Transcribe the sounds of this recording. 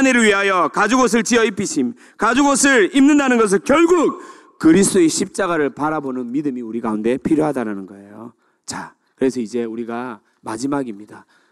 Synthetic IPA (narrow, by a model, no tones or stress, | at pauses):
aneɾɯɭɥiɦajʌkad͡ʑuɡos̬ʰɯɭt͡ɕiʌipʰiɕʰim | kad͡ʑuɡosʰɯɭimnɯndanɯnɡʌs̬ʰɯɭkjʌɭɡuk̚ | kɯɾist͈oeɕʰip̚t͡ɕ͈aɡaɾɯɭpaɾabonɯnmidɯmiuɾiɡaunde̞pʰiɾjoɦadaɾanɯnɡʌe̞jo̰ | t͡ɕa | kɯɾe̞sʰʌid͡ʑe̞uɾiɡa | mad͡ʑimaɡimɲida